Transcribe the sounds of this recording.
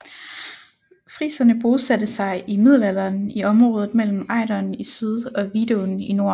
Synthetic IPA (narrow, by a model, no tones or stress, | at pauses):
fʁḭːsɐnəb̥o̝ːsæd̥əsɑ̈ɪʔimið̞̰ˠlæl̰ɐːniɒ̽mʁɔːðˠð̩ˠmel̰m̩ɑ̈ɪdɐnisyð̞ˠɒ̽ʋḭːde̝onino̝ɐ̰